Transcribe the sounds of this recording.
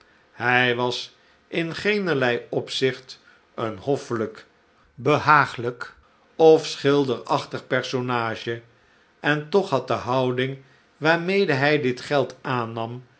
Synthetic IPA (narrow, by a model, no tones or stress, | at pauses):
hɛjʋɑs | ʔɪnχejnəɹlɛjɔpsɪχt | ənhɔfələk | bəɦaːχələk | ɔfsχɪlˠdəɹɑχtəχpɛɹsonaːʒə | ʔɛntɔχɦɑt̚dəɦɑwdɪŋ | ʋaːɹmejdəɦɛjdɪtχɛlˠtaːnɑm